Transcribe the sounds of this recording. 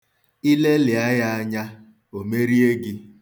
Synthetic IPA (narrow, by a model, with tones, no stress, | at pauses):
i˦le˦lɪ˨a˦ja˦a˦ɲa˦ | o˨me˦ɾi˦e˦ɡɪ˦